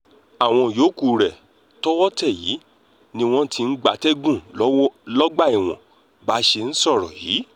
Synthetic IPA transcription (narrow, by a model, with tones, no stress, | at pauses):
a˨w̃ɔ̃˧joː˨˦ku˦˨ɾɛ˨ | tɔ˦wɔ˦tɛ˦˨jḭː˨˦ | nĩ˧w̃ɔ̃˦tʰi˧n̩˦ɡ͡ba˧˦tɛ˦ɡũ˦˨˦lɔ˦ɡ͡ba˦˨i˨w̃ɔ̰̃˨ | ba˨˦ʃe˧n̩˦sɔ˦˨ɾɔ̰˨jḭː˨˦